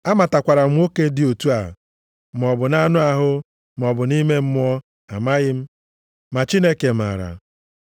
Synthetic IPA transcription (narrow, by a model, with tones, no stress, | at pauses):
a˦ma˨ta˨kʷa˨ɾa˨m̩˦o˦ke˦dɪ˦o˨tu˦a˨ | m̩˨ɔ˨bʊ˨na˦nʊ˦a˨ɦʊ˦ | m̩˨ɔ˨bʊ˨ni˦me˦m̩˦m˦ɔ˦ | a˨ma˦ɣɪ˦m̩˦ | ma˨t͡ʃi˦ne˦ke˨m̩˨a̰˨ɾa̰˨